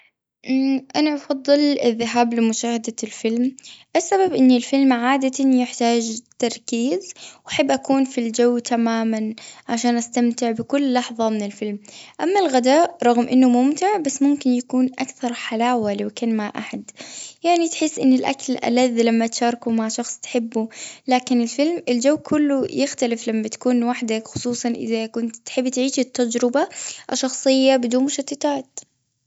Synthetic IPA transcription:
ʔʔanaʔɑfɑd̪ˤːɨlɪðːɪɦaːblɪmʊʃaːhad̪alfɪlmʔasːababʔɪnːilfɪlmʕaːd̪at̪anjɪħt̪aːd͡ʒt̪ɑɾˤkiːzwʔaħabːʔakuːnfild͡ʒawːt̪ʰamaːmanʕaʃaːnʔast̪amt̪ɪʕbɪkʊlːɑħðˤɑmɪnɪlfɪlmʔamːalɣad̪aːʔɾˤɑɣmʔɪnːʊmʊmt̪ɪʕbasːmʊmkɪnjakuːnʔakθɑɾˤħalaːwalɪwkanmaʕʔaħad̪jaʕnit̪ħɪsːʔɪnːɪlʔa̰klʔa̰laðːlamːat̪ʃɑːɾˤkumaʕʃɑxsˤt̪ħɪbːulaːkɪnɪlfɪlmɪld͡ʒawːkʰʊlːʊjɪxt̪alɪflamːat̪ḁkuːnwaħd̪akxʊ̥sˤuːsˤɑnʔɪ̰ðakʊnt̪t̪ħɪbːt̪ʕiːʃit̪ːad͡ʒɾɪbaʔʃːɑxsˤɨjːabɪd̪uːnmʊʃat̪ːɪt̪aːt̪

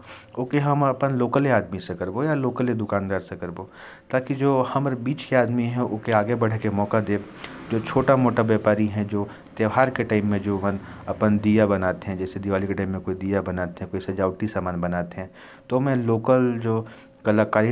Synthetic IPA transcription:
okeɦɐmɐpənloːkəleaːd̪misekɐɾbojaloːkəled̪ʊkaːnd̪aːɾsekɐɾboː | t̪aːkid͡ʒoːhɐmɾbiːt͡ʃkeaːd̪miɦɛ̃ʊkeaːɡebɐɽekemɔːkad̪eː | d͡ʒoːt͡ʃʰoːʈamoːʈaʋjaːpaːɾiɦɛ̃d͡ʒoː | t̪jeʋɦaːɾkeʈaːɪmːẽd͡ʒoːʋɐ̃nɐpənd̪ijabɐnaːt̪eɦɛ̃d͡ʒɛːsed̪iʋaːlikeʈaːɪmːẽkoːid̪ijabɐnaːt̪eɦɛ̃koːisɐd͡ʒaːʊʈisaːmaːnbɐnaːt̪eɦɛ̃ː | t̪omɛ̃loːkəld͡ʒoː | kɐlakaːɾi

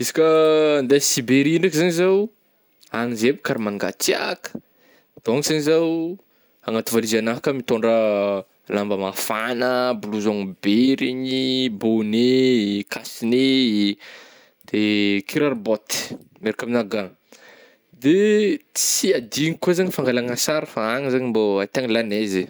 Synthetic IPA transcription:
isi̥kʲənd̪asibeɾiinakizaɲizaw | aŋizebikaɾimaŋɡa̰t͡sia̰kə̥ | d̪̥oaŋizaɲizaw | aŋat̪ivalizanaɦakamit̪oɳɖ͡ʐə | lambəmafanəbuluzoŋbeɾiɲibonekasine | d̪̥ekʰiɾaɾbot̪i̥meɾikaminaɡaŋ | d̪e | t͡siad̪iŋikuazaɲifaŋɡalaŋasaɾəfaaŋizaɲimboat̪aŋlaneze

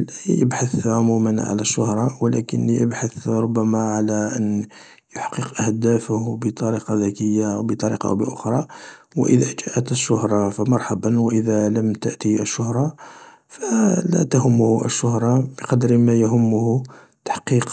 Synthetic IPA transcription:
lʔæjjəbħaθʕʊmumənʕa̰læʃːʊhɾˤɑwlæ̰kəniʔəbħaθɾˤʊbːæmaʕalæʔən | jʊħqiqʔəhd̪æfəhbət̪ˤɑɾiqɑðækəjːawbət̪ˤɑɾḭqɑ̰ʔwbəʔʊxɾˤɑwəʔəðæʒæʔət̪əʃːʊhɾˤɑfəmɑɾˤħabənwəʔəðæləmt̪əʔt̪iəʃːʊhɾˤɑ | fælæ̰t̪ahʊmːʊhʔə̰ʃːʊhɾˤɑbəqɑd̪ɾmæjɦʊmːʊh | t̪ḁħqiq

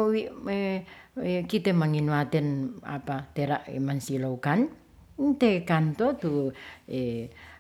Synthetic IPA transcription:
wieekit̪ɛmaŋinwat̪ɪna̰pat̪eɾaʔmansiloukan | nt̪ekant̪ɔt̪ue

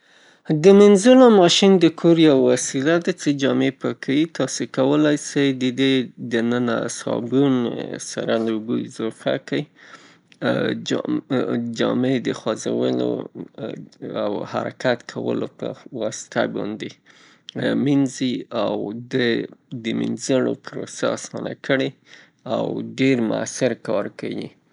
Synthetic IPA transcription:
d̪əmɪnzulomɑʃind̪əkʰoɾjawːasilad̪at͡sed͡ʒɑmepəkʰawit̪ɑsekawəlajsajd̪əd̪ed̪ənəna̰sɑ̰bunsa̰ɾanuɡuɪzɑfa̰kai | d͡ʒɑmed̪əxwazawəlo̰ | awha̰ɾakat̪kʰawə̰lopəwɑsɪ̥t̪a̰bɑnd̪e | minziawd̪əd̪əminzəɳopɾosaasɑna̰kəɽe | awɖeɾmʊa̰sɪɾkɑɾkawḭ

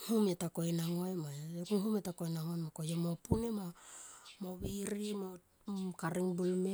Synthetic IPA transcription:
humetako̞jnaŋoemaekuŋhumetakojnaŋojmakojemo̞punema | mo̞βiɾimo | kaɾiŋbulme

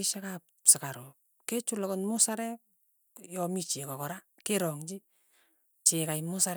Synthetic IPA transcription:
ɪʃakap | sɪkaɾo | ket͡ʃʊlɔkɔnmʊsaɾɛk̚ | jɔmit͡ʃekɔkɔɾakeɾɔŋt͡ʃi | t͡ʃekajmʊsaɾ

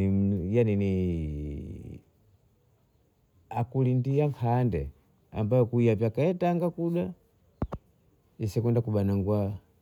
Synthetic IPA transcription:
ijanini | akulindijaŋkʰandɛ | a̰mbajɔkuijavjakaɛtaŋɡakuɗa | isɛkɛndakuɓanaŋɡwa

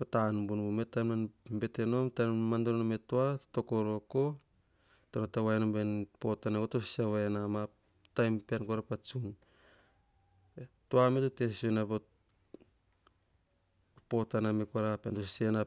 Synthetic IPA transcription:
patanbunbumetananbe̞teno̞mtamandoɾnometoato̞ko̞ɾoko̞ | tonataβaenombenpo̞tanakotosi̥saβaenama | tajmpeankoɾapat͡ʃun | toametotesenapo | po̞tanamekoɾapeantosisena

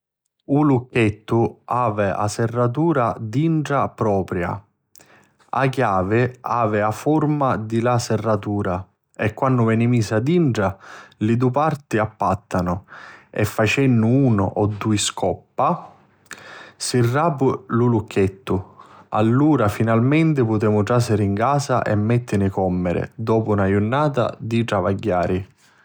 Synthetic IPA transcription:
ulukːɛt̪ːuaːvɛa̰sɛrːat̪̬uːɾad̪iɳʈapɾɔːpɾja̰ | a̰kjaːvɪaːvɪafɔɾmad̪ilasɛrːat̪uːɾa | ɛkːwanːʊvɛnimiːsad̪iɳɖɽalid̪upart̪iapːat̪ːanʊɛ̰fːat͡ʃɛnːʊuːnʊ̰ʔɔd̪ːuiskʰɔpːa | sirːaːpululukʰːɛt̪ːua̰lːuːɾafinalmɛnt̪̬ɪpʊt̪ɛːmʊʈɾasɪɾiŋkaːsa̰ʔɛ̰mːɛt̪ːɪnɪkɔmːɪɾɪ̰d̪ɔːpunajʊnːaːt̪a̰d̪iʈɾavaɟːaːɾi

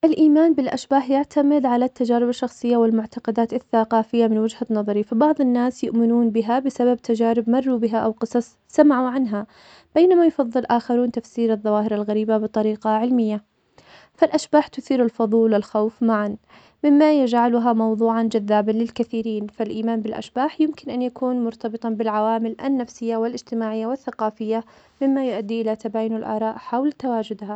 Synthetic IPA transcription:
ʔalʔiːmaːnbɪlʔaʃbaːħjaʕt̪ʰamɪd̪ʕalat̪ːad͡ʒaːɾɪbaʃːɑxsˤɨjːawɪlmʊʕt̪ɑqɑd̪aːt̪aθːaqɑːfɪjːamɪnwad͡ʒhanːɑðˤɑɾifabɑʕðˤɪnːaːsjʊʔmɪnuːnbɪɦabɪsabab̚t̪ʰad͡ʒaːɾɪbmɑrˤːubɪɦaʔawqɨsˤɑsˤ | samaʕuʕanɦa | b̥eːnamajʊfɑðˤːɨlʔaːxɑɾuːnt̪afsiːɾɑðˤːɑwaːhɪɾalɣaɾiːbabɨt̪ˤɑɾiːqɑʕɪlmɪjːa | falʔaʃbaːħt̪ʊθiːɾalfɑðˤuːlɪlxawfmaʕan | mɪmːajad͡ʒʕalʊɦamɑwðˤuːʕand͡ʒaðːaːbanlɪlkaθiːɾiːnfalʔiːmaːnbɪlʔa̰ʃbaːħjɪmkɪnʔanjakuːnmʊɾt̪ɑbɨt̪ˤɑbɪlʕawaːmɪlʔa̰nːafsɪjːawɪlʔɪd͡ʒt̪ɪmaːʕɪjːawɪθːaqɑːfɪjːa | mɪmːajʊʔad̪ːiʔɪlat̪abaːjʊnalʔɑ̰ːɾˤɑːʔħawlt̪awaːd͡ʒʊd̪ɦa

